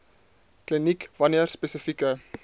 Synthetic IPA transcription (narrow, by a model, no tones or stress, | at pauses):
klinikvɐniərspesəfikə